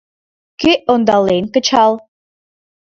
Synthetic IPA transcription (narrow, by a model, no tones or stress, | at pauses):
kyʔond̪ɑlenkə̆t͡ɕɑlˠ